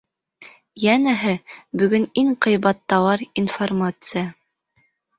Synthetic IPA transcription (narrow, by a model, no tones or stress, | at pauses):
jænæɦɘbɵ̆ɡɵniŋqɤ̆jbɑt̪ːɑwɑɾinformat̪sɨja